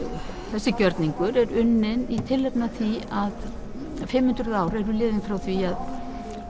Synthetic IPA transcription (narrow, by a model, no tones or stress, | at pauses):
θɛsːɪcœɾt̪niŋkʏɾɛɾʏnːɪnit̪ʰɪlːɛpnaθiað | fɪmːʏnt̪ɾʏðaːwɾɛɾʏlɪːðɪnfɾawθviað